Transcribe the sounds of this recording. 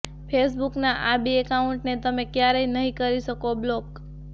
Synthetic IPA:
pʰesbuknaʔabiekauɳʈnet̪əmekjaɾəinəɦĩkəɾiʃəkoblok

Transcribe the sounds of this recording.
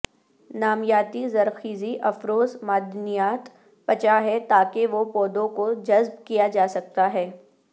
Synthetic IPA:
naːmjaːt̪izɐɾxiːziʔɐfɾoːzmaːd̪ʱnijaːt̪ | pɐt͡ʃaɦɛt̪aːkeʋopɔːd̪õkod͡ʒɐzb̚kijad͡ʒaːsɐk̚t̪aɦɛː

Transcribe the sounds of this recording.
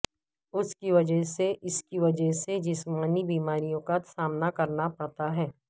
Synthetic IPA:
ʊskiʋɐd͡ʒəɦseʔɪskiʋɐd͡ʒəɦsed͡ʒɪsmaːnibiːmaːɾijõkasaːmnakɐɾnapɐɽt̪aɦɛː

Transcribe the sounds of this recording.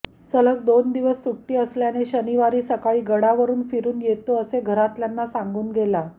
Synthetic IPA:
sələk̚d̪ond̪iʋəsːuʈːiːəsljaneɕəniʋaɾiːsəkaɭiːɡəɽaʋəɾuːnfiɾuːnjet̪oəseɡʱəɾat̪ljanːasãŋɡuːnɡʱela

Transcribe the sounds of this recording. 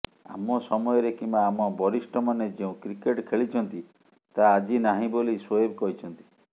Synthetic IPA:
a̰mɔsɔmɔjɔɾekimbaːmɔbɔɾisʈɔmaned͡ʒeũkɾikeʈkʰeɭit͡ʃʰɔnt̪i | t̪aːd͡ʒinaɦĩboliswojebkɔɦit͡ʃʰɔnt̪i̥

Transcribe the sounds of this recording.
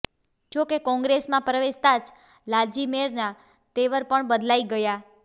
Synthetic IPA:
d͡ʒokekɔ̃ŋɡɾesmãpɾəʋeʃt̪ad͡ʒ | lad͡ʒimeɾna | t̪eʋəɾpəɳbəd̪laiɡəja

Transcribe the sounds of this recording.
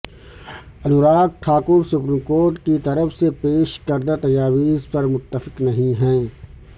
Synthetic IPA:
ɐnuɾaːk̪̚ʈʰaːkʊɾsʊpɾiːmkoːɾʈkit̪ɐɾəfsepeːʃkɐɾd̪at̪ɐd͡ʒaːʋiːzpɐɾmʊt̪ːəfɪ̥qnɐɦĩɦɛ̃ː

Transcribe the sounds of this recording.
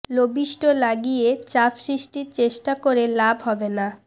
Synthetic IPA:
lobiʃʈolaɡijet͡ɕapʃɾiʃʈiɾt͡ɕeʃʈakoɾelabʱɦɔbena

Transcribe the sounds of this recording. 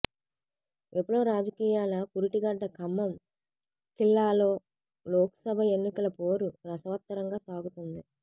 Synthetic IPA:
epːuɽoːɾaːd͡ʒɐkiːjaːlɐpuɾiʈiɡɐɖːɐkɐmːɐm | kilːaːlo̞ː | lɔːkɐ̥sɐbʱɐe̞nːikɐlɐpo̞ːɾuɾɐsɐʋɐt̪ːɐɾɐŋɡaːsaːɡut̪und̪i

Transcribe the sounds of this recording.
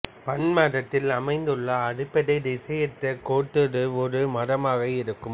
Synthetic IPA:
pɐnmaːrɐt̪ːɪlɐmɐɪnd̪ɯɭːɐːɽɯpːɛɽɐɪɾɪsɐjɐt̪ːɐkoːʈːɯɽɯɔɾɯmɐɽɐmaːɣɐɪɾɯkːɯm

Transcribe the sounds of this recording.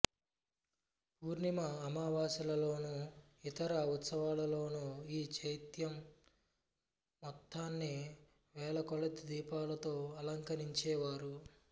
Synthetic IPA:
puːɾnimɐːmaːʋaːsɐlɐlo̞ːnu | it̪ɐɾɐut̪sɐʋaːlɐlo̞ːnuiːt͡ʃʰɐjt̪jɐm | ɔt̪ʰːaːnːi | ʋɛːlɐkɔɭɐt̪id̪iːpaːlɐt̪o̞ːɐlɐŋkɐɾiɲt͡ʃɛːʋaːɾu

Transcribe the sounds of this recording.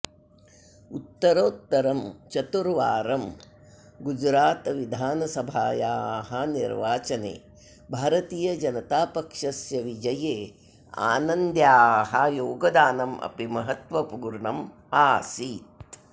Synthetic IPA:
ut̪ːɐɾoːt̪ːɐɾɐmt͡ʃɐt̪uɾʋaːɾɐm | ɡud͡ʒɾaːt̪ʋid̪ʱaːnɐsɐbʱaːjaːɦɐnḭɾʋaːt͡ʃɐnḛː | bʱaːɾɐt̪iːjɐd͡ʒɐnɐt̪aːpɐkʂɐsjɐʋid͡ʒɐjeː | a̰ːnɐnd̪jaːɦɐjoːɡɐd̪aːnɐmʔɐ̰pimɐɦɐt̪ʋɐpuɡɾɳɐm | aːsiːt̪̚

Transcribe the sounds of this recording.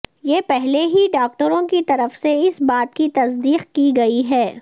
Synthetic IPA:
jeːpɛɦleɦiɖaːk̚ʈəɾõkit̪ɐɾəfseɪsbaːt̪̚kit̪ɐsd̪iːqkiɡɐiɦɛː

